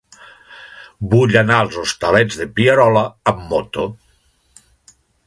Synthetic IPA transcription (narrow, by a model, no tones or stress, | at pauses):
buʎanalˠzost̪alɛd͡zðepiaɾɔlaːmːot̪o